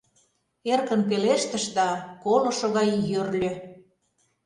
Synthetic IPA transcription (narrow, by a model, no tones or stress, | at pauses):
erkə̆np̬eleʃt̪ə̆ʃd̪ɑkolŏʃŏɣɑjjørlʲø̆